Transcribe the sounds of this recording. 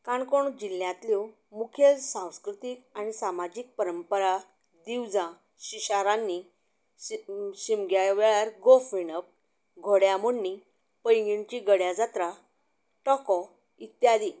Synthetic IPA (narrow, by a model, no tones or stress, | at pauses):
kaɳkoɳ̃ud͡ʑil̤ːjãt̪liw | mukʰjelsãw̃skɾut̪iːkañisamad͡ʑik̚pəɾəmpəɾa | d̪iwd͡zã | ɕiɕaɾãnːi | ɕimɡjajʋeɭaɾɡofʋinəp̚ | ɡʱoɽjamoɳːi | pəjŋɡint͡ɕiɡəɽjad͡zat̪ɾa | ʈɔkɔ | it̪jad̪i